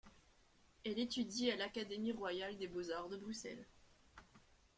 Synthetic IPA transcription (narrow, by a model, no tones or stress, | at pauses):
ɛlet̪yd̪ialakad̪emiʁwajald̪ebozaʁd̪əbʁysɛ̰l